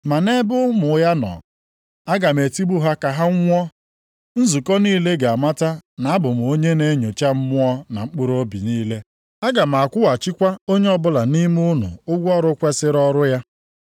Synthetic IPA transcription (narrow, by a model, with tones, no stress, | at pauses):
ma˨ne˦bʊ˦mʊ˨˦ja˦nɔ̰˨ | a˦ɡa˨m˨e˨ti˦bu˦ɦa˦ka˨ɦa˦ŋ̩ʷ˦ɔ˦ | n̩˦zu˨kɔ˦niː˦le˦ɡa˨a˨ma˦ta˦na˨a˦bʊ˨m̩˨o˦ɲe˦ne˦ɲo˨t͡ʃa˦m̩˦mʊ˦ɔ˦na̰˨ŋ͡m̩˦k͡pʊ˦ɾo˦bi˨niː˦le˦ | a˦ɡa˨m̩˨a˨kʷʊ˦wa˨t͡ʃi˦kʷa˦o˦ɲe˦ɔ˦bʊ˦la˨ni˦m˦ʊ˦nʊ̰˨ʊ˦ɡʷɔ˦ɾʊ˦kʷe˦sɪ˦ɾɔ˦ɾʊ˦ja˦